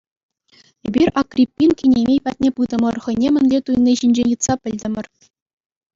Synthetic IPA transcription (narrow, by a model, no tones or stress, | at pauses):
ebʲirʲɑkrʲipʲːinkʲinʲemʲejpɑt̚ʲnʲepɯd̪ɤ̆mɤ̆rχɤ̆nʲemʲɘ̆nʲlʲet̪uj̆nʲːiɕinʲd͡ʑenʲɯt̪sɑpʲɘ̆lʲd̪ʲɘ̆mʲɘ̆r